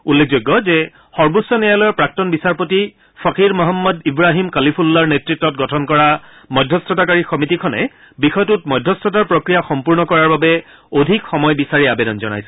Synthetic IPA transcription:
ulːekʰzoɡːɔzɛ | xɔɹbusːɔnijalɔjɔpɹak̚tɔnbisaɹpoti | fʰɔkiɹmɔɦɔmːɔdibɹaɦimkalipʰulːaɹnetɹitːɔt̚ɡɔtʰɔnkɔɹa | mɔjdʱɔstʰɔtakaɹixɔmitikʰɔnɛ̰ | bixɔjtutmɔjdʱːɔstʰɔtaɹpɹokɹijaxɔmpuɹnɔkɔɹaɹbabɛ | odʱikxɔmɔjbisaɹiabɛdɔnzɔna̰jsɛ̥

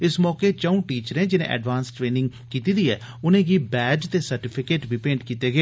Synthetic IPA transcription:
ɪsmɔːkeːt͡ʃaũːʈiːt͡ʃəɾẽːd͡ʒɪnḛ̃ːʔɛ̰ːɖʋaːnsʈɾeːnɪ̃ŋɡ | kiːt̪iːd̪iːɛː | ʊnẽːɡiːbɛːd͡ʒt̪eːsəɾʈɪpʰɪkeːʈbʱiːpẽːɳʈkiːt̪eːɡeː

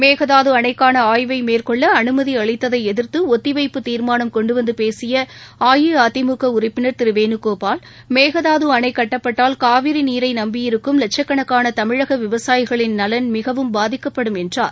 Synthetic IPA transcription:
meːɣɐðaːðɯɐnɐɪkːaːnɐaːjʋɐɪmeːrkɔɭːɐːnɯmɐðiɐɭɪt̪ːɐðɐɪɛðɪɾt̪ɯɔt̪ːɪʋɐɪpːɯt̪iːɾmaːnɐmkɔɳɖɯʋɐnd̪ɯpeːsɪjɐaːjɯaːt̪ɪmuːkɐʊɾɐɪpːɪnɐɾt̪ɪɾɯʋeːnɯkːoːpaːl | meːɣɐðaːðɯɐɳɐɪkːɐʈːɐpːɐʈːaːlkaːʋɪɾiniːɾɐɪnɐmbɪjɪɾɯkːɯmlɛʈ̚t͡ʃɐkːɐɳɐkːaːnɐt̪ɐmɪɻɐɣɐʋɪʋɐsaːjɪɣɐɭɪnnɐlɐnmɪɣɐʋɯmbaːðɪkːɐpːɐɽɯmɛndra̰ːɾ

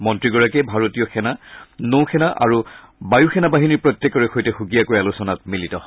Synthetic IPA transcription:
mɔntɹiɡɔɹakɛbʱaɹotijɔxʰɛnanowxʰɛnaʔa̰ɹu | bajuxʰɛnabaɦiniɹpɹɔtjɛkːɔɹɛxojtɛxuɡijakojalusɔnat̚militɔ

